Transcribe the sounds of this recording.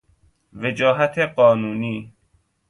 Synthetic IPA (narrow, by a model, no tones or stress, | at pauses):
ved͡ʒɔːɦat̪ʰeɢɔːnuːniː